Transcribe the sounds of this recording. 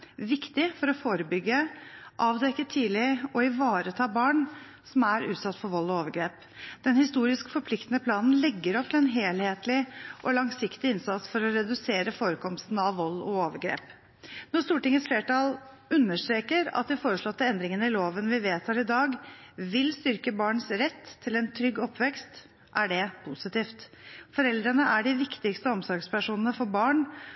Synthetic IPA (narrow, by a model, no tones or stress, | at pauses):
ʋɪkt̪ɪfɔɾɔfoːɾəbʏɡːəʔɑːʋd̪ɛkːət̪ʰiːlɪɔɪʋɑːɾət̪ʰɑːbɑːɳ | sɔmæɾʉ̰ːt̪sɑt̪ːfɔɾʋɔlːɔoːʋəɾɡɾeːp | d̪̥ɛnhɪst̪uːɾɪskfɔɾpʰlɪkt̪ənəpʰlɑːnn̩lɛɡːəɾɔp̚t̪ʰlɛnɦeːlheːt̪lɪʔɔlɑŋsɪkt̪ɪɪnsɑt̪sfɔɾɔɾɛd̪ʉseːɾəfoːɾəkʰɔmst̪n̩ɑʋːɔlːɔoːʋəɾɡɾḛːp | nɔst̪uːʈɪŋːəsfleːʈɑːl | ʉnːəʂʈɾeːkəɾɑ̰t̪̚d̪ɪfoːɾəʂɭɔt̪ːəɛnd̪ɾɪŋənəɪloːʋənʋɪʋeːt̪hɑɾɪd̪ɑːɡʋɪlst̪ʏɾkəbɑːɳsɾɛt̪ʰːɪlɛnt̪ʰɾʏɡːɔpʰːʋɛkst̪ | ʔæɖɛpʰusɪt̪iːft̪fɔɾɛld̪ɾənəʔæɖɪʋɪkt̪ɪkst̪əɔmsɔɡspʰæʂuːnənəfɔɾbɑːɳ